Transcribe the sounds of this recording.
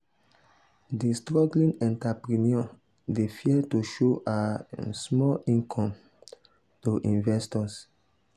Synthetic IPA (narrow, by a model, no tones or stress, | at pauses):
distɹɔɡlĩnɛ̃ntapɾiniɔ | defiɛtuʃoʔasmɔlĩnkʰɔ̃m | toʔĩnvɛstɔs